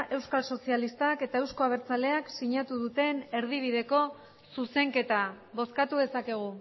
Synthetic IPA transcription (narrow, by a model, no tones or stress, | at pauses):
ʔe̞wskalso̞sialist̪ake̞t̪ae̞wsko̞aβ̞eɾt͡sale̞aksiɲat̪uðut̪e̞ne̞ɾð̞iβ̞iðe̞ko̞ | suse̞ŋke̞t̪a | βo̞skat̪uðe̞sake̞ɣ̞u